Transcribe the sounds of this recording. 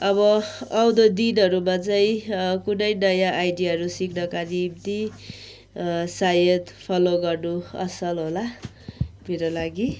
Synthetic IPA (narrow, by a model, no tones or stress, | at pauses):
ʌβʌʌwd̪ʌd̪inɦʌɾumat͡sʌĩkunʌjnʌjãʔːjɖijaɦʌɾusikʰnʌkaɾimt̪i | sajʌt̪pʰʌloɡʌrnuʌ̰sʌlɦola | piɾʌlaɡi